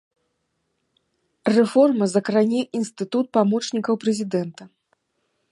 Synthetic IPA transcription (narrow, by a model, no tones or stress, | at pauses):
rɛfɔrmɐzɐkɾanʲɛʔinst̪ɨt̪ut̪̚pamɔt͡ʂnʲikɐwpɾɛzʲid̪ɛnt̪ɐ